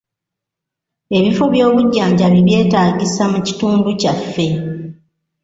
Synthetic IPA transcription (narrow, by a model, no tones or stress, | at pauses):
e̞βifo̞βjo̞ːβuɟːaːɲɟaβiβje̞ːtaːɟisamuci̥tuːnducafːe̞